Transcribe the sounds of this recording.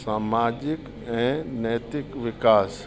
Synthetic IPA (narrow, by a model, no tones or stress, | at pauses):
saːmaːd͡ʒɪk | ɛ̃ːnɛːjt̪ɪkʋɪkaːs